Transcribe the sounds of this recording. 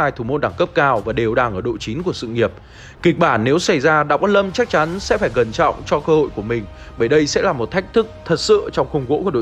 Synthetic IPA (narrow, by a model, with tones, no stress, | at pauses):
aː˧jt̪ʰu˨˧˩mo˧nɗaː˧˩ŋkə˦˥p̚kaː˧wvaː˨˩ɗe˨˩wɗaː˨˩ŋʔəː˧˩ɗo̰˧˨t͡ɕi˨˦nku˧˩əsɨ̰˧˨ŋi˨˩əp̚ | ki˨˩k̟̚ɓaː˧˩nːe˨˦wsa˧˩jzaː˧ɗaː˧˥kɔ˨˦lə˧mt͡ɕa˦˥k̚t͡ɕa˨˦nsɛ̰˧˥faː˧˩jɣə˨˩nt͡ɕɔ̰˧˨wŋ͡mt͡ɕɔ˧kəː˧ho̰˧˨jku˧˩əmï˨˩ŋ̟ | ɓəː˧˩jɗə˧jsɛ̰˧˥laː˨˩mo˨˩t̚t̪ʰa˦˥jk̟̚t̪ʰɨ˦˥k̚t̪ʰə˨˩t̚sɨ̰˧˨t͡ɕɔ˧wŋ͡mxə˧wŋ͡mɣo̰˧˥ku˧˩ɗo̰˧˨